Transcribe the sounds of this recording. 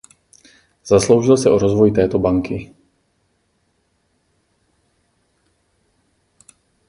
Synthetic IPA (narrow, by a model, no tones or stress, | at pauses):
z̥aslowʒilsɛʔɔɾɔzvɔjt̪ɛːt̪ɔbaŋki